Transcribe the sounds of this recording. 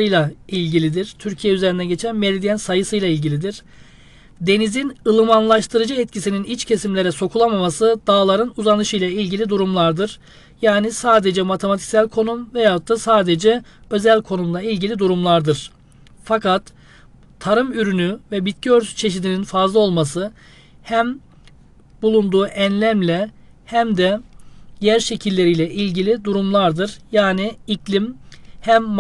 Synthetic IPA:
ɯjlˠailʲɟilʲid̪iɾ̥t̪ʰyɾcʰijɛyze̞ɾind̪ɛɟe̞t͡ʃʰænmelʲid̪ijɛnsajɯsɯjlˠailʲɟilʲid̪iɾ̥ | d̪e̞nizinɯlˠɯmanlˠaʃt̪ʰɯɾɯd͡ʒɯɛt̪cʰisininit͡ʃcʰe̞simlʲe̞ɾɛso̞kʰulˠamamasɯd̪̥aːlˠaɾɯnuzanɯʃɯjlˠailʲɟilʲid̪uɾumlˠaɾd̪ɯɾ̥ | jaːnisaːd̪e̞d͡ʒɛmat̪ʰe̞mat̪ʰi̥csælʲkʰo̞numvɛjat̪ʰːasaːd̪ed͡ʒɛø̞zælʲkʰo̞numlˠailʲɟilʲid̪uɾumlˠaɾd̪ɯɾ̥ | fakat̪ʰː | aɾɯmyɾynyvɛbit̪̚ciøɾt͡ʃʰe̞ʃid̪ininfazlˠao̞lˠmasɯ | hæm | bulˠund̪uːʔɛnlʲæmlʲɛ | hæmd̪ɛjæɾʃe̞cʰilʲːe̞ɾijlʲɛʔilʲɟilʲid̪uɾumlˠaɾd̪ɯɾjaːniicʰlʲimhæmː

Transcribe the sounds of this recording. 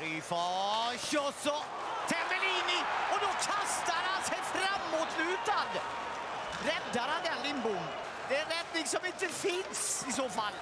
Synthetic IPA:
ɾifɑɕɔsɔ | t̪ʰɛmbɛliːnɪɔd̪ɔkʰanst̪aɾhansɛjfɾamːut̪slʉ̟ːt̪ad̪ | ɾɛd̪ːaɾhanɛnlɪmbʊn | d̪ɛnɾɛd̪̚nɪŋsɔmɪnt̪əfɪnsɪsoːfalː

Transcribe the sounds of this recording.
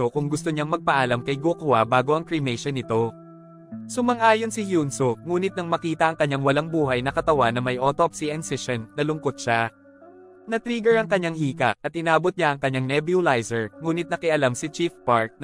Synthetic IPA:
okʊŋɡʊst̪oɲaŋmɐɡ̚pɐʔalamkɐjɡokwabaːɡo̞ʔɐŋkɹɪmɛjʃɐnɪt̪o̞ | sʊmɐŋʔaːjonsɪhjunsoŋuːnɪt̪̚nɐŋmɐkiːt̪ɐʔɐŋkɐɲːaŋwɐlaŋbuːɦɐjnɐkɐt̪ɐwanɐmɐjʔot̪opsiʔɛnsɪʃɐnːɐlʊŋkot̪̚ʃa | nɐt̪ɾiːɡɛɹɐŋkɐɲːaŋhiːkɐ̰ʔɐt̪̚ɪnaːbot̪̚ɲaʔɐŋkɐɲːaŋnɛbjulajsɛɹŋuːnɪt̪̚nɐkɪʔɐlamsɪt͡ʃifpaɹk̚n

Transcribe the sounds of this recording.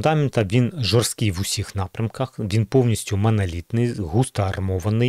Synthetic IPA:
nd̪ɑmʲɪnt̪ɐʋʲinʒɔrst̪kɪjʋʊsʲixnɑpɾʲɐmkɐxʋʲinpɔwnʲisʲtʲʊmɐnɐlʲit̪nɪjɦust̪ɐɐrmɔʋɐnɪ

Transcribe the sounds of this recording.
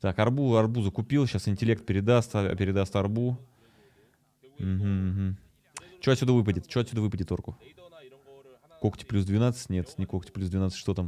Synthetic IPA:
t̪akɐrbuɐrbuzəkʊpʲilˠɕasɪnʲtʲɪlʲe̞kt̪̚pʲɪɾʲɪd̪ast̪pʲɪɾʲɪd̪ast̪ɐrbu | m̩ɦm̩ːɦm̩ | t͡ɕot̪ʲsʲud̪əvɨp̬ədʲɪt̪t͡ɕoɐt̪ʲsʲud̪əvɨpədʲɪt̪o̞rkʊ | koktʲɪ̥plʲusd̪vʲɪnat̪sə̥tʲnʲe̞t̪nʲɪkoktʲɪ̥plʲusd̪vʲɪnat̪sɨ̥tʲʂt̪o̞t̪am

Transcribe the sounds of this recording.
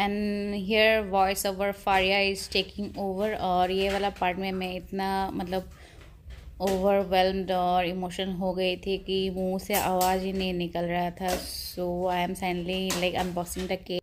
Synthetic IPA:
ɛ̃nɦiəɾʋɔɪsoːʋəɾfaːɾjaɪzʈeːkɪ̃ŋɡoːʋəɾɔːɾjeʋaːlapaːɾʈmẽmɛ̃ɪt̪namɐt̪ləb̚ | oːʋəɾʋɛlmɖɔːɾɪmoːʃə̃nɦoɡɐit̪ʰikimuːseʔaːʋaːzinɐɦĩnɪkəlɾɐɦat̪ʰasoːaːɪɛ̃msaɪnlilaɪkɐ̃nbɔːksɪ̃ŋd̪əke

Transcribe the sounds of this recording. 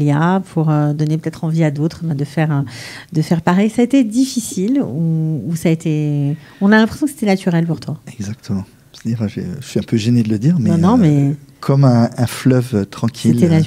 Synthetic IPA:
ljapʰuʁød̪ɔnepøt̪ɛt̪χɑ̃viad̪ot̪χbɛ̃d̪əfɛʁød̪əfɛʁpaʁɛjsaːet̪ed̪ifisiluːsaet̪e | ɔ̃nalɛ̃pχesjɔ̃kse̥t̪ɛnat̪ʰyʁɛlpuʁt̪waɛɡzak̚t̪ʰəmɑ̃ | ĩfaʒḛʒəsɥiɛ̃pʰøʒened̪ələd̪iːʁmɛ̃nɔ̃mɛkʰɔmɛ̃ɛ̃flœvøt̪χɑ̃kʲʰielt̪ɛna

